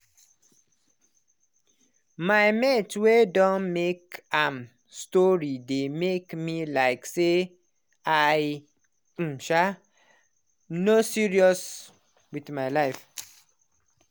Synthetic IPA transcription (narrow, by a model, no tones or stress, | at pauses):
majmɛtwedɔ̃nmekãm | stɔɹidemekmilaɪkse | aj̩ | ʃa | nosiɹiɔs | wiθmaɪlaɪf